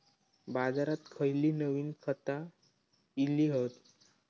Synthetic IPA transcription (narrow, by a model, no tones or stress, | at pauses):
bad͡zaɾat̪kʰəjliːnəʋiːnkʰət̪a | iliːɦət̪